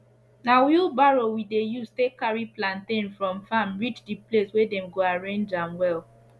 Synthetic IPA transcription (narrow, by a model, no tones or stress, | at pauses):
nawiubaɹowidejustekaɹiplãntẽnfɹɔ̃mfamɹit͡ʃdipleswɛdɛ̃mɡoaɹẽnd͡ʒãmwɛl